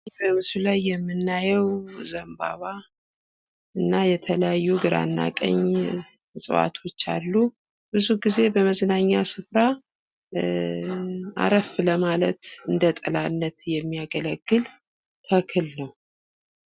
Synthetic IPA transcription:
bəmɨsulajːɛmːɨnːajɛwzəmba̰βa | ɨnːajɛt̪ʰələjajːuɡɨɾa̰nːa̰kʼə̰ɲ | sʼɨ̰wa̰t̪ʰo̞t͡ʃːa̰lːu | bɨzuɡize̞bəməznaɲːasɨfɾa | ʔa̰ɾəfləmalət̪ɨnd̪ət̪ʼɨlanːət̪jɛmːijaɡələɡːɨl | t̪ʰəkʰɨlnəw

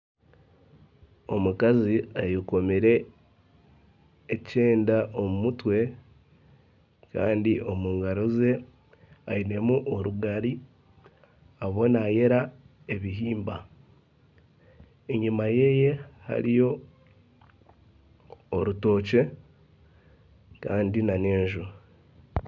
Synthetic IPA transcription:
o̞mukaziajuko̞miɾe̞ | ce̞ːndaʔo̞mumutwe̞ | ka̰ːndiʔo̞muːŋɡaɾoze̞ | aine̞muʔoɾuɡaɾi | aβo̞naje̞ɾa | e̞βiɦiːmba | eɲimaje̞je̞ha̰ɾijo̞ | ɾuto̞ːce̞ | kaːndinaneːɲʒu

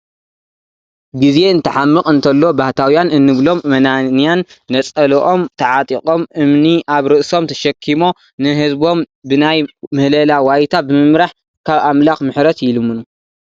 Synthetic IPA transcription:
ɡize̞ɨnt̪ʰɨħamːɨqʼɨnt̪ʰɐlːo̞baht̪ʰawjanɨnːɨβlo̞mmɐnanijanːɐt͡sʼɐlʔo̞mt̪ʰɐʕat̪ʼikʼo̞mʔɨmniʔaβɾɨʔso̞mt̪ʰɐʃɐkʰːimo̞ | nɨɦɨzbo̞m | bɨnajmɨhlɐlawajt̪ʰabɨmɨmɾaħ | kʰaβʔamlaxmɨħɾɐt̪jɪlɨmːɨnu

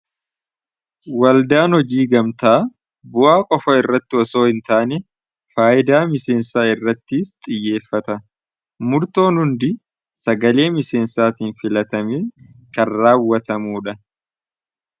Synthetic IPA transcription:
wɐld̪aːnhɔd͡ʒiːɡɐmt̪aː | bʊʔaːkʼɔfɐɪrːɐt̪ːɪɔso̞ːhɪnt̪aːnɛ | faːɪd̪aːmɪse̞ːnsaːɪrːɐt̪ːɪst̪ʼɪjːe̞ːfːɐt̪ɐ | mʊɾt̪o̞ːnhʊnd̪ɪ | sɐɡɐle̞ːmɪse̞ːnsaːt̪iːnfɪlɐt̪ɐmeː | kɐrːaːwːɐt̪ɐmuːᶑɐ

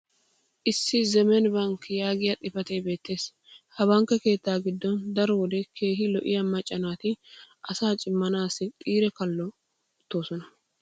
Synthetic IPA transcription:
ʔɪsːɪzɛmɛnbɐŋkjaːɡɪjɐt̪ʼɪfɐt̪ejbe̞ːt̪ːe̞ːs | hɐβɐŋkːɛke̞ːt̪ːaːɡɪd̪ːɔnd̪ɐɾɔwɔd̪ɛkʰe̞ːɦɪlɔʔɪjɐmɐt͡ʃʼːɐnaːt̪ɪʔɐsaːt͡ʃʼɪmːɐnaːsɪt̪ʼiːɾɛkɐlːɔ | ʊt̪ːo̞ːsɔnɐ

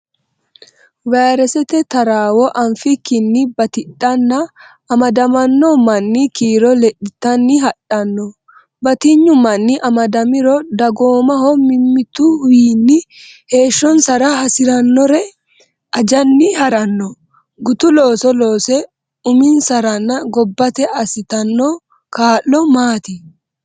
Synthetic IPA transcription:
waːɾɛsɛt̪ɛt̪ɐɾaːwɔʔɐnfɪkːɪnːɪbɐt̪ɪᶑɐnːɐː | mɐd̪ɐmɐnːɔmɐnːɪkiːɾɔlɛɗɪt̪ːɐnːɪɦɐɗɐnːɔ | bɐt̪ɪɲːʊmɐnːɪʔɐmɐd̪ɐmɪɾɔd̪ɐɡoːmɐhɔmɪmːɪt̪uwiːnːɪ | he̞ːʃːɔnsɐɾɐhɐsɪɾɐnːɔɾɛ | ʔɐd͡ʒɐnːɪhɐɾɐnːɔ | ɡʊt̪ʊlo̞ːsɔlo̞ːsɛ | ʊmɪnsɐɾɐnːɐɡɔbːɐt̪ɛɐsɪt̪ɐnːɔː | kaːlːɔmaːt̪ɪ

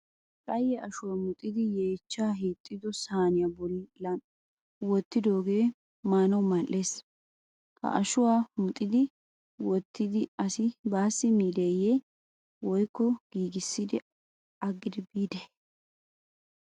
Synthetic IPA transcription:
kʼɐjːɛʔɐʃʊwaːmʊt̪ʼːɪd̪ɪjeːt͡ʃːaːɦiːt̪ʼːɪd̪ɔsaːnɪjabɔlːɪlɐn | wɔt̪ːɪd̪o̞ːɡe̞ː | maːnɐwmɐʔeːs | kɐ̰ʔɐʃʊwaːmʊt̪ʼːɪd̪ɪ | wɔt̪ːɪd̪ɪɐsɪbaːsːɪmiːd̪eːje | wɔjkːɔɡ̥iːɡɪsːɪd̪ɪ | ɐɡːɪd̪ɪbiːd̪ɛ

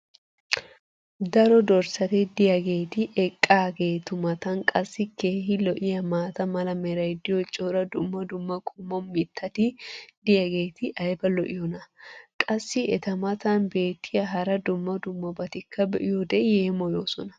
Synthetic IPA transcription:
d̪ɐɾɔd̪ɔɾsɐt̪ɛd̪ɪjɐɡe̞ːt̪ɪʔɛkʼːaːɡe̞ːt̪ʊmɐt̪ɐnkʼɐsːɪke̞ːhɪlɔʔɪjɐmaːt̪ɐmɐlɐmɛɾɐjd̪ɪjɔt͡ʃʼːoɾɐd̪ʊmːɐd̪ʊmːɐkʼʊmːɔnmɪt̪ʰːɐt̪ɪd̪̥ɪjɐɡe̞ːt̪ɪʔɐjbɐlɔʔɪjɔnɐkʼɐsːɪɛt̪ɐmɐt̪ɐnbe̞ːt̪ːɪjɐɦɐɾɐd̪ʊmːɐd̪ʊmːɐbɐt̪ɪkʰːɐbɛʔɪjɔd̪ɛjeːmɔjoːsɔnɐ̥

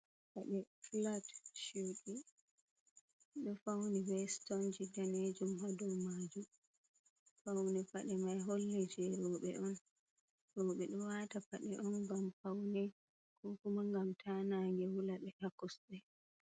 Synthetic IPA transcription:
faɗɛflatʃuwɗi | ɗɔfawnibɛstɔnd͡ʒidaned͡ʒumhadɔmaːd͡ʒu | fawnɛfaɗɛmajɦolːɛd͡ʒɛɾɔɓɛʔɔn | ɾɔɓɛɗɔwatafaɗɛʔɔnɡamfawnɛ | kʰɔkumaŋɡamtʰanaŋɡɛwulaɓɛʔakɔsɓɛ

